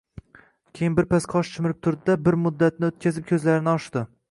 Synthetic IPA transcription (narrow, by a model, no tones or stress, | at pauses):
kʲʰejɪnbɪɾpʰasqʰɒʃt͡ʃʰɪmɪɾɪp̚t̪ʰʊɾd̪ɪd̪abɪɾmʊd̪ːat̪̚nɪot̪̚kʲazɪp̚kʲʰɵzlaɾɪnɪɒʃd̪ɪ